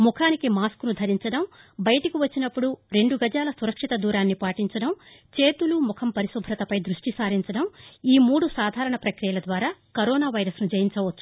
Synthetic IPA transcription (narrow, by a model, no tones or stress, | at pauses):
mukʰaːnikimaːskunud̪ʱɐɾiɲt͡ʃɐɽɐmbɐjɐʈɐkiʋɐt͡ʃːinɐpːuɽuɾe̞ɳɖuɡɐd͡ʒaːlɐsuɾɐkʂit̪ɐd̪uːɾaːnːipaːʈiɲt͡ʃɐɽɐm | t͡ʃe̞ːt̪ulumukʰɐmpɐɾisubʱɾɐt̪ɐpɐjd̪ɾuʂʈisaːɾiɲt͡ʃɐɽɐmiːmuːɽusaːd̪ʱaːɾɐɳɐpɾɐkɾijɐlɐd̪ʋaːɾaːkɐɾɔːnaːʋɐjɾɐsnud͡ʒɐjiɲt͡ʃɐʋɐt͡ʃːu̥